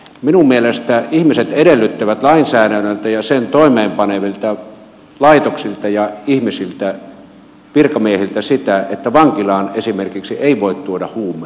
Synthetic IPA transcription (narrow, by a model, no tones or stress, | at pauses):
minummielest̪æihmiset̪edelːyt̪ːæʋæt̪lɑinsæːɾænːølt̪æjɑsent̪oˑimeːmpɑneʋilt̪æ | lɑit̪oksilt̪ɑjɑihmisilt̪æ | ʋirkɑmiehilt̪æsit̪æet̪ːæʋɑŋkilɑːnesimerkiksiʔeiʋoit̪t̪uodɑhuːmːˑe